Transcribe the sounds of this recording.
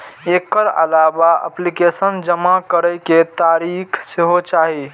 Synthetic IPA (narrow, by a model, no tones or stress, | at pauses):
ekːəɾə̰labaə̰plikesənd͡ʒəmakəɾəjket̪aɾikʰseɦot͡ʃaɦi